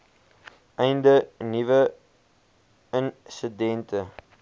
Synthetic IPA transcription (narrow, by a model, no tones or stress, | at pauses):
ɛjndənivə | ənsədɛntə